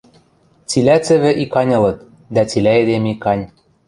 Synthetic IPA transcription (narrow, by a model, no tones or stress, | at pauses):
t͡silæt͡sɘ̆βɘ̆ʔikɑnʲɤ̆lɤ̆t̪̚ | d̪æt͡silʲæed̪emikɑnʲ